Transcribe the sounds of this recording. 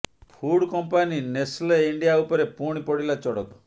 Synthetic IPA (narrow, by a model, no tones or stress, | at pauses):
pʰuɽkɔmpaninesleiɳɖijaupɔɾepuɽ̃ipɔɽilat͡ʃɔɽɔt̪ɔ̥